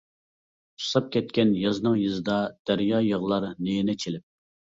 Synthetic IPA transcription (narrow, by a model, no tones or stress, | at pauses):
u̥sɑp̚kʲʰɛt̪̚kʲɛnjɑznɨŋjɨzɨd̪ɑd̪̥æɾjɑːjəʁlˠɑɾnenɛt͡ʃʰelɪp̚